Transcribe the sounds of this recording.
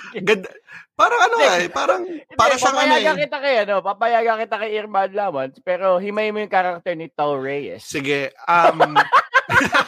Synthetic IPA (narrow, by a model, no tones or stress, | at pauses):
ɡɐd̪paːɾɐŋɐnoɛpaːɾɐŋdpaːɾɐʃaɐjɡɐkɪt̪akɐjɐno̞papɐjaːɡɐkɪt̪akɐjʔɪɾmanlaːmɐnspɛːɾohɪmɐjmojʊŋkaɾak̚t̪ɛɹnɪt̪ɐwɹɛjɛ̰ssɪɡɛɐm